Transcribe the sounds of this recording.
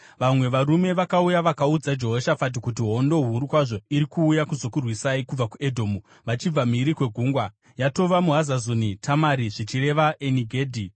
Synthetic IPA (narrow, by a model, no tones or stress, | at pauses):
ʋamwe̞ʋaɾume̞ʋakaujaʋakaud͡zad͡ʒo̞ɦoʃafat̬ikut̬iɦo̞ndo̞ɦuɾukwaʐo̞iɾikuːjakuzo̞kurwisaikub͡vakue̞dʱo̞ːmu | ʋat͡ʃib͡vamiɾikwe̞ɡʱuːŋɡwa | jato̞ʋamuɦazazonitʰamaɾiʐit͡ʃire̞ʋaʔeniɡʱeːdʱi